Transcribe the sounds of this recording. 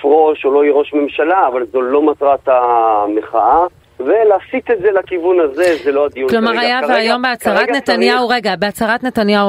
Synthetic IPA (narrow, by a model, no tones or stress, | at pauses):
fʁo̞ʃolo̞iʁo̞ʃme̞mʃalaːvalzolo̞mat̪ʁat̪ameχa̰a | ve̞laːsitetzelakivunaze̞zelo̞ad̪ijuklo̞maʁajaveajo̞mbeat͡saʁat̪net̪anjauʁeɡabeat͡saʁat̪netanjau